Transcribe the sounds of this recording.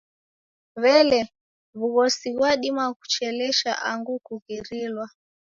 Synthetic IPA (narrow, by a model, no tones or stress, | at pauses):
βɛlɛ | βuɣɔsiβwaɗimaku̥t͡ʃɛlɛʃa̰ʔaŋɡukuɣiɾilwa